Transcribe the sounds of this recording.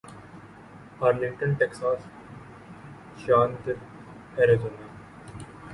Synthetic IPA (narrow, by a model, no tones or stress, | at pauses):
aːɾlɪ̃ɳʈənʈeksaːs | ʃaːnt̪ | hɛɾezoːna